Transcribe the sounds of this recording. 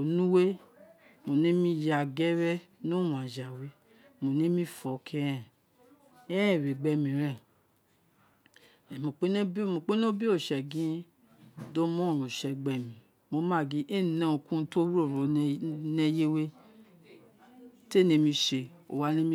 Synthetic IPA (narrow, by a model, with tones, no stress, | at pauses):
o˨nũ˦we˦ | mo˨nĩ˨˦mĩ˧˦ja˧˨ɡɛ˦ɾɛ˦ | nũ˦w̃ã˨d͡ʒa˨we˨˦ | mo˨nĩ˦mĩ˧˦fɔ˨kʰɛ˦ɛ̃˨ | ɛ˦ɛ̃˦˨ɾe˨ɡ͡bɛ˧mĩ˨ɾɛ̃˦˨ | ɛ˨mo˧k͡pe˦ñ˦mo˧˨k͡pe˦nõ˦bi˦o˦˨ʃɛ˨ɡĩ˦ | do˦mɔ̃˦˨ɾo˨ʃɛ˧ɡ͡bɛ˨mĩ˨ | mo˧mã˦˨ɡĩ˧˦ʔe˦˨nã˦o˧˨kũ˦˧to˦ɾo˦˨ɾo˨˧ne˦je˦we˦ | te˦˨nĩ˧mĩ˧ʃe˧o̰˨wa˦nĩ˦m˦